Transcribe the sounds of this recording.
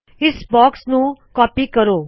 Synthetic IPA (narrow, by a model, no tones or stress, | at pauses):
ɪsbɔːksnũkɔːpikəɾoː